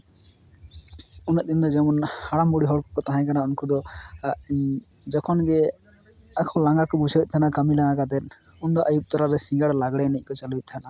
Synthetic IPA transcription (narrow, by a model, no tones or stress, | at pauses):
unət̪̚ˀd̪ind̪ɔd͡ʒɛmɔnhaɽambɔɽiɦɔɽkɔkɔt̪aɦãjkanaunkud̪ɔ | d͡ʒɔkʰɔnɡɛ | akʰɔlaŋɡakɔbud͡ʒʱawit̪̚ˀt̪ʰanakəmilãŋaɡat̪̬ɛt̪̚ | und̪ɔʔəjub̚ˀt̪ɔɾabɛsĩŋɡəɽlaɡɽɛnic̚ˀkɔt͡ʃaluit̪̚t̪ʰana